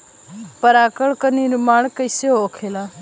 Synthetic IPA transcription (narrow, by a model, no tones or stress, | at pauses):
pəɾaːkəɭkəniːɾʊmaːɽkəjseoːkʰeːlaː